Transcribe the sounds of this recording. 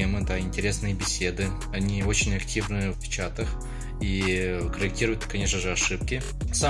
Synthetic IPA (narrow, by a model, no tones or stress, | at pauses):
emɨd̪aɪnʲtʲɪɾʲe̞snɨjəbʲɪsʲe̞d̪ɨ | ɐnʲio̞t͡ɕɪnʲɐktʲivnɨjəfpʲɪt͡ɕat̪əx | ikəɾʲɪk̚tʲiɾʊjʊt̪kɐnʲe̞ʂnəʐɨɐʂɨp̚kʲɪ | sa